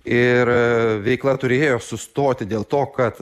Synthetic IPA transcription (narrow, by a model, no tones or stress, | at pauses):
ɪɾʋʲɛɪklˠɐt̪ʊɾʲeːjoːsʊst̪oːt̪ʲɪd̪ʲeːlˠt̪oːkɐt̪